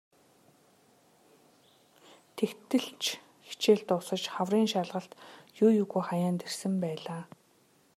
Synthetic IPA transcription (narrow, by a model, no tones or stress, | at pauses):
t̪ʰekt̪ɘ̆ɬt͡ɕʰ | xi̥t͡ɕeːɮt̪ʊsə̆t͡ɕχawriːŋʃaɮʁə̆ɬt̪jʊːjuɣujχajaːnt̪ersɘ̆mpæːɮaː